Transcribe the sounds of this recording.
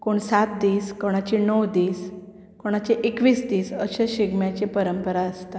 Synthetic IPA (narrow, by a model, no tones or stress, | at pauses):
koɳsat̪̚d̪iːskoɽ̃at͡ɕinəwd̪iːs | koɽ̃at͡ɕeʔekʋiːsd̪iːsəɕaɕiɡmjat͡ɕepəɾəmpəɾaəst̪a